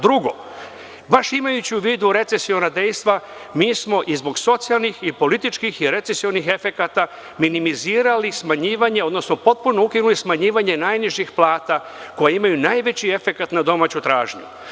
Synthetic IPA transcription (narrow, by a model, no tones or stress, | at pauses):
d̪ɾuɡo̞̰ | baʃimajut͡ɕiuʋiːd̪uɾe̞t̪se̞sio̞nad̪e̞jst̪ʋa | miːsmo̞ʔizbo̞ɡso̞t̪sijalˠnixipo̞lit̪it͡ʃkixiɾe̞t̪se̞sio̞nixe̞fe̞kat̪a | minimiziːɾalismaɲiːʋaɲe̞o̞d̪no̞sno̞po̞t̪̚puno̞ukinulismaɲiːʋaɲe̞najniʒixplˠaːt̪a | ko̞jaimajunaːjʋe̞t͡ɕie̞fe̞kat̪nad̪o̞maːt͡ɕut̪ɾaːʒɲṵ